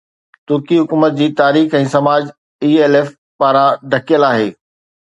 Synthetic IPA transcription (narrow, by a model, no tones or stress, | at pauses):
t̪ʊɾkiɦʊkuːmət̪̚d͡ʑiːt̪aːɾiːxɛ̃ːsɐmaːd͡ʑ | iːeːleːf | paːɾãɖʱɐkijəlaːɦeː